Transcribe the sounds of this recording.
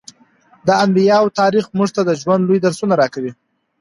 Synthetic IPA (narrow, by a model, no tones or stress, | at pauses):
d̪əambijɑwt̪ɑɾixmuʐt̪ad̪əʒwand̪lojd̪aɾsunaɾɑkawi